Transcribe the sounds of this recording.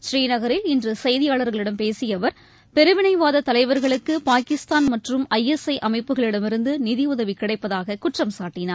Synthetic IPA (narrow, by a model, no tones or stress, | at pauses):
ʃriːnɐɣɐɾɪlɪndrɯsɐjðɪjaːɭɐɾɣɐɭɪɽɐmpeːsɪjɐʋɐɾ | pɛɾɯʋɪnɐɪʋaːðɐt̪ɐlɐɪʋɐɾɣɐɭɯkːɯpaːkɪst̪aːnmɐʈrɯmɐjɛsɐɪʔɐmɐɪpːɯɣɐɭɪɽɐmɪɾɯnd̪ɯnɪðɪʊðɐʋikɪɽɐɪpːɐðaːɣɐkʊʈrɐmsaːʈːɪnaːɾ